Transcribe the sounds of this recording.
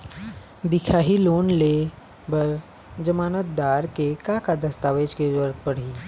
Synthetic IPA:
d̪ɪkʰaːɦiloːnle | bəɾ | d͡ʒəmaːnət̪̚d̪aːɾkekakad̪əst̪aːʋeːd͡ʒked͡ʒwəɾt̪̚pəɽ̤iː

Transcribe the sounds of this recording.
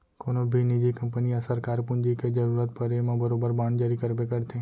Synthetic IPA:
konobʱinid͡ʒikəmpəniasəɾkaɾpũnd͡ʒiked͡ʒəɾuɾət̪pəɾemãbəɾobəɾbãɳd͡ʒaɾikəɾbekəɾt̪ʰe

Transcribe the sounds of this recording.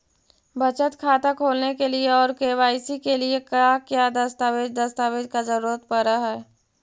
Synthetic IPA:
bət͡ʃət̪kʰaːt̪akʰoːlnekelieɔːɾkeːʋaːɪsikeliekakjaːd̪ɐst̪aːʋeːd͡ʒd̪ɐst̪aːʋeːd͡ʒkazəɾuːɾət̪pəɾaɦɛː

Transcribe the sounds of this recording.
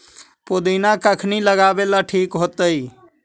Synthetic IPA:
pod̪ənakəkʰniləɡabelaʈʰikɦot̪əj

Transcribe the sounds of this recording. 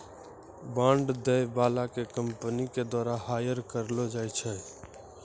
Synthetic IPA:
bãɳɖd̪ɛbalakekəmpəniked̪waɾaɦajəɾkəɾlod͡ʒajt͡ʃʰɛ

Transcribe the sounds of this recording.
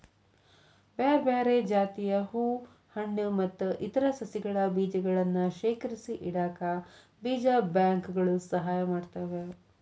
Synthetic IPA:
beːɾbeːɾed͡ʒaːt̪ijɐɦuː | hɐɳːumɐt̪ːuʔit̪ɐɾɐsɐsiɡɐɭɐbiːd͡ʒɐɡɐɭɐnːuʃeːkɐɾisiʔiɽaːkɐ | biːd͡ʒabjaːŋkɡɐɭusɐɦaːjɐmaːɖt̪aːʋe

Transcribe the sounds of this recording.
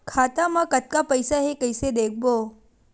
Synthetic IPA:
kʰat̪amãkət̪̚kapəjsaɦekəjsed̪ek̚ʰbo

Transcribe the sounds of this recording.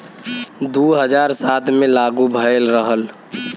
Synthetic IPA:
d̪uɦəd͡ʒaɾsat̪ʰmelaɡubʱəelɾəɦəl

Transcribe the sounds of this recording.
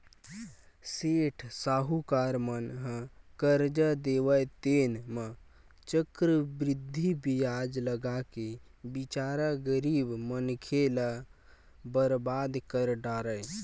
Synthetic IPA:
seʈʰsaɦukaɾmənɦə̃kəɾd͡ʒəd̪eʋət̪enmə | t͡ʃəkɾəbɾid̪ʱːibijad͡ʒləɡakebit͡ʃaɾəɡəɾibmənkʰelə | bəɾbad̪kəɾɖaɾəj

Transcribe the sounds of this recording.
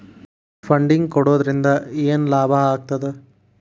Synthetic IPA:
fɐɳɖɪŋkɔɽɯʋɐðɪɾɪnd̪ɐeːnlaːbaːaːk̚t̪ɐðɯ

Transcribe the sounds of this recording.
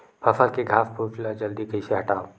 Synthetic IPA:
pʰɐfəlkeɡʱaːfpupɪlad͡ʒɐld̪ikɐiseɦɐʈaːo

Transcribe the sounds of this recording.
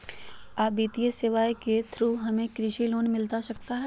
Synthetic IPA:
aːbiːt̪ijəsɪʋaːjket̪ʰɾuːɦɐmẽkɾɪʃiloːnmɪlt̪aʃɐk̚t̪aɦɛ

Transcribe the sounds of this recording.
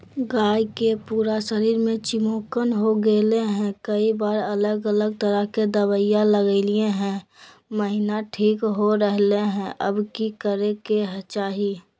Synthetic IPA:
ɡaːikepuːɾasəɾiːɾmẽt͡ʃɪmoːkənɦoɡeːleɦɛ̃kəibaːɾələɡələɡ̚t̪əɾəɦked̪əbəjaləɡəlieɦɛ̃ | məɦɪnaʈʰiːkɦoɾəɦleɦɛ̃ʔə̰bkikəɾekeɦət͡ʃaːɦi

